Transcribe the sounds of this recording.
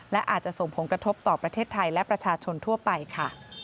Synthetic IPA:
lɛ˦˥ʔa̰ː˨˩t̪̚t͡ɕa˨˩ʔso˨˩ŋpʰo˩˦nkɾa˧t̪ʰo˦˥p̚t̪ɔː˨˩pɾa˧t̪ʰeː˥˩t̪ʰːa˧jlɛ˦˥pɾa˧t͡ɕʰaː˧t͡ɕʰo˧nt̪ʰu˥˩ɐpa˧jkʰa˥˩

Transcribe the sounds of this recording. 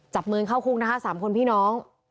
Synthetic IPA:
t͡ɕa˨˩p̚mɯː˧ŋkʰa˥˩wkʰu˦˥k̚na˦˥kʰa˦˥saː˩˦mkʰo˧npʰiː˥˩nɔː˦˥ŋ

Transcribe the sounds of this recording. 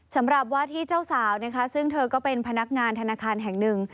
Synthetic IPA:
sa˩˦mɾa˨˩p̚waː˥˩t̪ʰiː˥˩t͡ɕaː˥˩wsaː˩˦wna˦˥kʰa˦˥sɯ˥˩ŋt̪ʰɤː˧kɔː˥˩pe˧npʰa˧na˦˥k̚ŋaː˧nt̪ʰa˧naː˧kʰaː˧nɦɛ˨˩ŋnɯ˨˩ŋ

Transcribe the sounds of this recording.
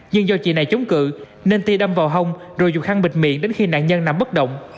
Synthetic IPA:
ɲɨ˧ŋzɔ˧t͡ɕḭ˧˨na˨˩jt͡ɕə˨˦wŋ͡mkɨ̰˧˨ | ne˧nt̪i˧ɗə˧mvaː˨˩wɦə˧wŋ͡mzo˨˩jzu˨˩k̚ha˧ŋɓï˨˩k̟̚mḭ˧˨ənɗe˨˦nxi˧na̰ː˧˨nɲə˧nːa˨˩mɓə˦˥t̚ɗə̰˧˨wŋ͡m

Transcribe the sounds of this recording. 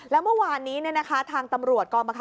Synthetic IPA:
lɛː˦˥wmɯ˥˩waː˧nːiː˦˥ni˥˩əna˦˥kʰa˦˥t̪ʰaː˧ŋt̪a˧mɾu˨˩ət̪̚kɔː˧nba˧kʰ

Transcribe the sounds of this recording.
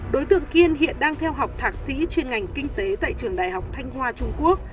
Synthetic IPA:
ɗo˨˦jt̪ɨ̰˧˨əŋki˧ənhḭ˧˨ənɗaː˧ŋt̪ʰɛ˧wɦa˨˩wk͡p̚t̪ʰaː˨˦˩t̚sḭ˧˥t͡ɕwe˧nŋa˨˩jŋ̟kï˧ŋ̟t̪e˨˦t̪a̰ː˧˨jt͡ɕɨ˨˩əŋɗaː˨˩jɦa˨˩wk͡p̚t̪ʰa˧jŋ̟hwaː˧t͡ɕʊ˧ŋ͡mku˦˥ək̚

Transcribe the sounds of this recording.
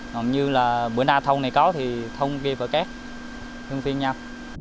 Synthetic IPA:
ŋɔ̰˧˨nɲɨ˧laː˨˩ɓɨ˧˩ənaː˧t̪ʰə˧wŋ͡mna˨˩jkɔ˨˦t̪ʰi˨˩t̪ʰə˧wŋ͡mki˧əfəː˧˩kaː˦˥k̚ | t̪ʰɨ˧əŋfi˧ənɲaː˧w

